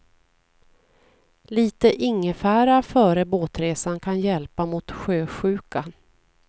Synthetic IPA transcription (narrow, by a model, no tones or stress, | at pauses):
liːt̪əʔɪŋːəfæːɾafœːɾəboːt̪ɾeːsankʰanjɛlpamʊt̪ɧøːɧʉ̟ːka